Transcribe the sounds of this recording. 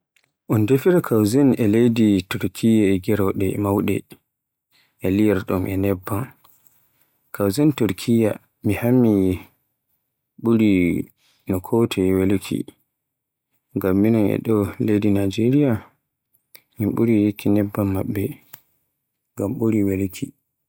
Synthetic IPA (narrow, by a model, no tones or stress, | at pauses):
ʔɔndefiɾakʰawzɛnɛlejdituɾkʰijaɛɡɛɾɔɗɛmawɗɛ | ʔɛlijɛɾɗɔmʔɛnɛbːan | kʰawzɛntuɾkʰija | mihamːi | ɓuɾi | nɔkʰɔtʰɛwelkʰḭ | ŋɡamːinɔnɛ̰ɗɔlejdinad͡ʒeɾija | mimɓuɾijekʰːinɛbːamːaɓːɛ | ŋɡamɓuɾiwelkʰi